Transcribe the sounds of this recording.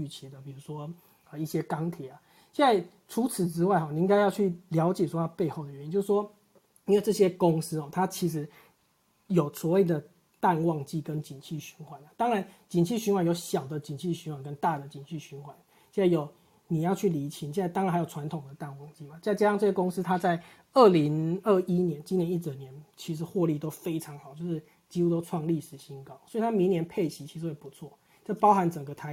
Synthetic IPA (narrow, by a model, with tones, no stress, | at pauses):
y˥˨˩t͡ɕʰi˨˩d̪ə˨pi˨˩ɻu˧˥ʂwɔ˦ | ə˨˧i˥˩ɕjɛ˦˥kɑ˥ŋt̪ʰjɛ˨˩a˩ | ɕjɛ˥˧na˥˩ɪ | ʈ͡ʂʰu˧˥t͡s̩ʰ˨˩ʈ͡ʂɻ̩˥˦wa˥˩ɪxɔ˨˩ni˨˧i˥ŋka˥ɪjɑ˥˧ʊt͡ɕʰy˥˩ljɑ˧˥ʊt͡ɕjɛ˨˩ʂwɔ˥ɑ˥˧pe˥˧ɪxo˥˩ʊdə˨˩ɥɛ˧˥nt͡ɕjʂʂwɔ˦˥ | i˥nwe˥˧ɪʈ͡ʂɤ˥˩ɕjɛ˦˥kʊ˦˥ŋsɹ̩˥xɔ˨˩t̪ʰa˦t͡ɕʰi˧˥ʂ̬ɻ̩˧˥ | jo˨˩ʊswɔ˧˦we˥˩ɪd̪ə˩ | t̪a˥˧nwɑ˥˧ŋt͡ɕi˥˩kə˦˥nt͡ɕi˨˩nt͡ɕʰi˥˩ɕy˧˥nxwa˨˦na˩t̪ɑ˥ŋɻa˧˦nt͡ɕi˨˩nt͡ɕʰi˥˩ɕy˧˥nxwa˨˦njo˧˥ʊɕjɑ˨˩ʊd̪ə˦t͡ɕi˨˩nt͡ɕʰi˥˩ɕy˧˥nwa˨˩nkə˦nt̪a˥˨d̪ə˩t͡ɕi˨˩nt͡ɕʰi˥˩ɕy˧˥nxwa˨˩˦n | ɕjɛ˥˧na˥˩jo˨˩ʊ | ni˨˩jɑ˥˧ʊt͡ɕʰy˥˩li˧˥t͡ɕʰi˧˥ŋɕjɛ˥˧na˥˧t̪ɑ˥ŋɻnxa˧˥o˨˩ʈ͡ʂʰwa˧˥nt̪ʰʊ˨˩ŋd̪ə˦t̪a˥˧nwɑ˥˩ŋt͡ɕi˥˩ba˨˩t͡ɕt͡ɕja˥ʂɑ˥˧ŋʈ͡ʂɤ˥˩ɕjɛ˥kʊ˥ŋs̩˥t̪ʰa˥t͡sa˥˩ɪ | ə˥˩li˧˦˥ŋə˥˩i˦njɛ˧˦nt͡ɕi˥njɛ˧ni˥t͡sə˨˩njɛ˧˦nt͡ɕʰi˧˥ʂ̬ɻ̩˧˥xwɔ˥˧li˥˩t̪o˥ʊfe˥ɪʈ͡ʂʰɑ˧˥ŋxɑ˨˩ʊt͡ɕjʂɻ̩˥˩ | t͡ɕi˥xu˥t̪o˥ʊʈ͡ʂʰwɑ˥˧ŋli˥˩ʂɻ̩˨˩ɕi˧˥nkɑ˥ʊswɔ˧˥i˨˩t̪ʰa˥mi˧˥ŋnjɛ˧˥npʰe˥˩ɪɕi˧˥t͡ɕʰi˧˥ʂɻ̩˧˥xwe˥˩pu˧˦t͡sʰwɔ˥˨ | t͡ɕo˥˩pɑ˥ʊxa˧˥nʈ͡ʂə˨˩ŋɡə˦t̪ʰa˧˥